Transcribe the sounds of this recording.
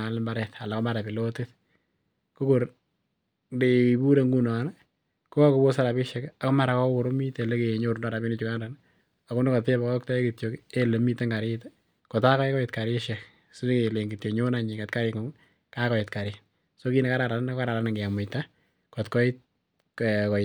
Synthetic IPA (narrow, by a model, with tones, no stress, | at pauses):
a˨lmba˦ɾɛta˨la˨kɔ˦ma˦ɾa˨pɪ˨lotɪt | ko˦koɾ | ndei˨bu˦ɾe˨ŋɡu˦nɔ˨n | ko˦a˦ko˦bo˦sa˦ɾa˨bɪ˦ʃɛka˨kɔ˦ma˦ɾa˨kɔ˦wʊ˨ɾo˦mi˦te˨le˦ke˨ɲoɾndɔɾa˨bi˦ni˦t͡ʃu˦kandan | a˨ku˦no˦ka˨te˦ba˨kɔ˦k̚ta˦e˦ki˨tjo˨ke˦le˨mi˦te˦ŋɡa˨ɾɪt | kɔ˨takɔ˦ɪ˦kɔ˦ɪtka˨ɾɪʃɛk | sneke˨le˨ŋɡi˨tjo˨ɲo˦naɲɪ˨ka˨tka˦ɾɪŋo˨ŋ | kakɔ˨ɪtka˨ɾɪ | so˦ki˦nɛ˨ka˦ɾa˨ɾannka˦ɾa˨ɾa˦nɪ˨ŋɡe˨a˨mʊ˨ta | kɔtkɔ˦ɪ˦t̚ | kkɔ˨ɪ